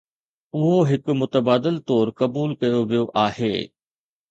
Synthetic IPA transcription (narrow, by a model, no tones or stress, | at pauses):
ʊɦoɦɪkmʊt̪əbaːd̪ɪlt̪ɔːɾkɐbuːlkɐjoʋijoʔaːhḛː